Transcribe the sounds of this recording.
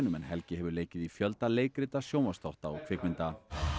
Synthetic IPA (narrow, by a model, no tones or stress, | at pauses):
nʏmɛnhɛlcɪhɛvʏɾleːjcɪðifjœlt̪aleːjkɾɪt̪asjoːwmast̪ɔht̪aɔkʰvɪːkmɪnt̪a